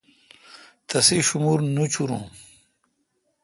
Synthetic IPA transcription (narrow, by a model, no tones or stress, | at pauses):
t̪ɐseɕumuɾnut͡ɕʰuɾṵ̃ː